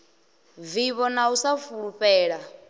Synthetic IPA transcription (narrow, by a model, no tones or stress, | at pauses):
viβɔnausafuɺuɸɛːɺa